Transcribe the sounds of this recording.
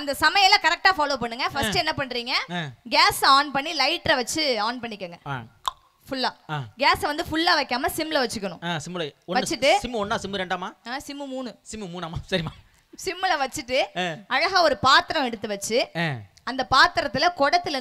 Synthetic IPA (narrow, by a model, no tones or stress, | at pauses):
ɐnd̪ɐsɐmɐjɐlɐkɐɾɛk̚ʈaːfaːloːpɐɳːɯŋɡɐfɐsʈɯɛnːɐpɐɳːɾiːŋɡɐɡaːsaːnpɐɳːilɐɪʈːɾɐʋɐt͡ʃːɯaːnpɐɳːɪkːɐːŋɡɐ | fʊɭːaːaːɡaːsʋɐnd̪ɯfʊɭːaːʋɐkːaːmɐsɪmːlɐʋɐt͡ʃːɯkːɐɳʊ̃aːsɪmːlɐɔʋɐt͡ʃːɯʈːɯsɪmːɯɔnːaːsɪmːɯɾɛɳɖaːmaːaːsɪmːɯmuːnɯsɪmɯmuːnaːmaːsɐɾɪmaː | sɪmːɯlɐʋɐt͡ʃːɯʈːɯɐɻɐɣɐɔɾɯpaːt̪ɪɾɐ̃mɛɽɯt̪ːɯʋɐt͡ʃːɯ | ɐnd̪ɐpaːt̪ɪɾɐt̪ːɪlɐkɔɽɐt̪ːɪlɐ